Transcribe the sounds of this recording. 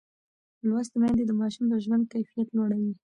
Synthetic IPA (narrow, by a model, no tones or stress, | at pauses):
lwas̬t̪əmjɑnd̪ed̪əmɑʃumd̪əʒwand̪̚kajfijat̪loɽawi